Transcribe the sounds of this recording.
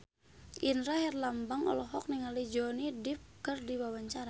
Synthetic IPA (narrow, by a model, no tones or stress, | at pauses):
ʔinɾaɦɛrlambaŋɔ̰lɔɦɔk̚niŋalid͡ʒɔnidip̚kərdiwawaɲt͡ʃaɾa